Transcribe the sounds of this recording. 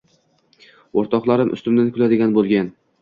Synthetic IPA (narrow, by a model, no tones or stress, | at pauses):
oɾt̪ɒqlˠaɾɪmʔʊ̰st̪ʊmd̪ankʰʲʊlad̪ɪɡʲanbolˠɡʲan